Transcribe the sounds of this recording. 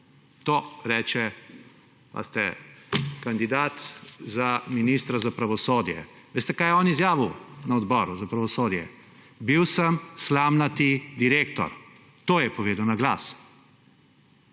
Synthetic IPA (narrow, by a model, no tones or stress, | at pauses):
t̪oːɾɛːt͡ʃɛ | pa̰st̪ɛ̰ | kand̪id̪aːt̪zaminist̪ɾazapɾaʋɔsoːd̪jɛ̰ | ʋeːst̪ɛkaːjɛɔːnizjaːʋinaɔd̪bɔːɾuzapɾaʋɔsoːd̪jɛ̰ | biwsəmslamnat̪id̪iɾeːkt̪ɔ̰ɾ | t̪oːjɛpɔʋeːd̪ɐwnaɡla̰ːs